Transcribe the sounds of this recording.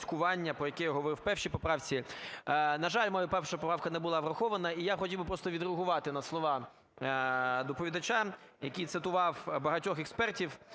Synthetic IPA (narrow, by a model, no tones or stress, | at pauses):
sʲkʊʋɑnʲːɐpɾɔjɐkɛjaɦɔʋɔɾɪwpɛwʃipɔpɾɑwt͡sʲi | nɐʒɑlʲmɔjupɛwʃɐpɔpɾɑwkɐnɛbʊlˠɑːʋɾɐxɔʋɐnɐijaxɔtʲiwbɪpɾɔst̪ɔʋʲid̪ɾeɦʊʋɑt̪ɪnɐslˠɔʋɑ | d̪ɔpɔʋʲid̪ɐt͡ʃa | jɐkʲit̪sɪt̪ʊʋɑwbɐɦɐtʲɔxɛkspɛrtʲiw